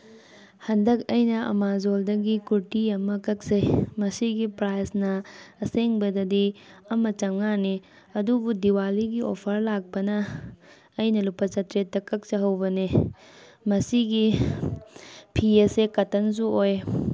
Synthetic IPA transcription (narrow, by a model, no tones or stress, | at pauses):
hɐndɐk̚ɐjnɐʔɐ̰mazoldɐɡikuɾtiɐmɐkɐk̚sejmɐsiɡipɾajsnɐːseŋbɐdɐdiɐmɐt͡ʃɐŋani | ɐdubudiwaliɡiʔopʰɐɾlak̚pɐnɐː | jnɐlupɐt͡ʃɐtɾet̚ːɐkɐk̚sɐɦɐwbɐne | mɐsiɡi | pʰiɐsekɐtːɐns̬uoj